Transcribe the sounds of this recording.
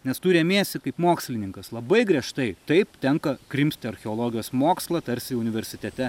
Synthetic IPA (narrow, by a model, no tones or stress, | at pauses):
nʲɛst̪uːɾʲeːmʲiɛsʲt̪ʲɪkɐɪpmoːksʲlʲɪnʲɪŋkɐslˠɐbɐɪɡɾʲiɛʃt̪ɐɪt̪ɐɪpt̪ʲɛŋkɐkɾʲɪmʲsʲt̪ʲɪɐɾʲxʲɛolˠoːɡʲɪjoːsmoːkslˠɐt̪ɐɾʲsʲɪʊnʲɪʋʲɛɾʲsʲɪt̪ʲɛt̪ʲɛ